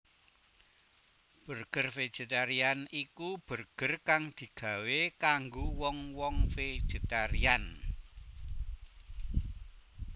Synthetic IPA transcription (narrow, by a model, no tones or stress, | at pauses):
b̥ə̤rɡ̥ərfe̥ʒ̥e̤t̪aɾianikub̥ə̤rɡ̥ərkaŋd̪̥i̤ɡ̥ä̤wekaŋɡowɔŋwɔŋfe̥ʒ̥e̤t̪aɾian